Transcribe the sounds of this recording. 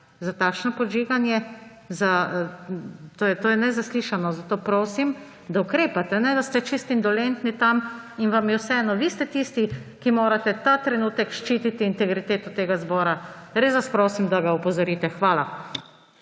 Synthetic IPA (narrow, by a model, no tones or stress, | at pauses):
zat̪aːkʃnɔpɔd͡ʒiːɡanjɛ | za | t̪oːjɛt̪oːjɛnɛzasliːʃanɔzat̪oːpɾoːsim | d̪aukɾeːpat̪ɛnɛd̪ast̪ɛt͡ʃist̪ind̪ɔlɛnt̪nit̪am | inʋamjɛwsɛɛːnɔʋist̪ɛt̪ist̪ikimoːɾat̪ɛt̪aːt̪ɾɛnuːt̪ɛkʃt͡ʃit̪it̪iːnt̪ɛɡɾit̪eːt̪ɔt̪eːɡazbɔːɾaɾesʋaspɾoːsimd̪aɡaɔpɔzɔɾiːt̪ɛxʋaːla